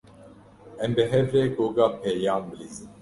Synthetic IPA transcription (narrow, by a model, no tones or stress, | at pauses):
ɛmbɛɦɛvɾɛkoːɡaːpʰɛːjaːmbɨliːzɨn